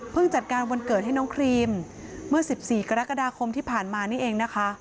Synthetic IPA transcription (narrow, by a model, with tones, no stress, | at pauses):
pʰɯ˥˩ŋt͡ɕa˨˩t̪̚kaː˧nwo˧nkɤː˨˩t̪̚ɦa˥˩jnɔː˦˥ŋkʰɾiː˧mː | ɯ˥˩ɐsi˨˩p̚siː˨˩ka˧ɾa˦˥ka˧daː˧kʰo˧mt̪ʰiː˥˩pʰaː˨˩nmaː˧niː˥˩˨ʔeː˧ŋna˦˥kʰa˦˥ʔ